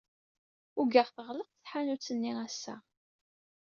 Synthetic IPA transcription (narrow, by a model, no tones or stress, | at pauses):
ʊɡaʁθəʁləq̚θθħanut͡sːənːiæsːæ̰